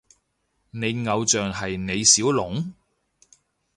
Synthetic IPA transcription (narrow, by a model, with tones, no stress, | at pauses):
ne˨˧jŋɐ˨˧wt͡ʃœː˨ŋɦɐ˨jne˨˧jsiː˨˥wlʊ˨˥ŋ